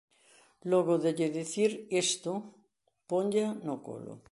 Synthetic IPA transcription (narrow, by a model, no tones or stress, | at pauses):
loɣoðeʎeðeθiɾest̪o | poɲɟanoko̰lo̰